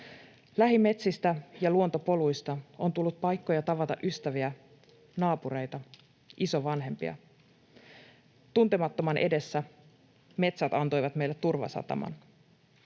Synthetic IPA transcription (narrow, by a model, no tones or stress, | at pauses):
læɦime̞t̪sist̪æjɑluo̞nt̪o̞po̞lujst̪ɑo̞nt̪ulːut̪̚pɑjkːo̞jɑt̪ɑʋɑt̪ɑ̰ʔyst̪æʋiæ | nɑːpuɾe̞jt̪ɑ | ʔisoʋɑnɦe̞mpḭɑ̰ | t̪unt̪e̞mɑt̪ːomɑnʔe̞de̞sːæ | me̞t̪sæt̪ɑnt̪o̞jʋɑt̪me̞jlːet̪ːurʋɑ̰sɑ̰t̪ɑ̰mɑ̰n